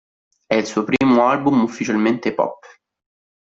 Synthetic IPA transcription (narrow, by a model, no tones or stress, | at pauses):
ɛilsuːopɾiːmoalbumufːit͡ʃalment̪epɔ̰pː